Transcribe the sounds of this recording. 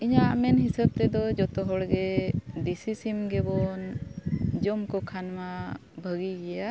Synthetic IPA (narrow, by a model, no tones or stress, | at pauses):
iɲamɛnɦisəb̚t̪ɛd̪ɔd͡ʒɔt̪ɔɦɔɽɡɛd̪isisimɡɛbɔn | d͡ʒɔmkɔkʰanmabʱəɡiɡɛja